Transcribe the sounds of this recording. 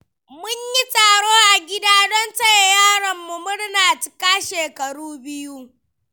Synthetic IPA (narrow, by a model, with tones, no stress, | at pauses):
mʊ˦ɲji˦taː˨ɽoː˦ʔa˨ɡʲɪ˦daː˦dɔ˦nta˦˨jjaː˦˨ɽɐ˨mːu˨mʊ˦ɽnaː˨t͡ʃɪ̥˨˦kaː˦ʃeː˨kɐ˨ɽuː˦bɪ˦ju˦